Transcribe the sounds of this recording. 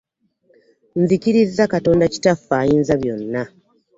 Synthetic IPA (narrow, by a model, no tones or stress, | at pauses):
nzikiɾizːakato̞ːndaci̥tafːaːjiːnzaβjo̞nːa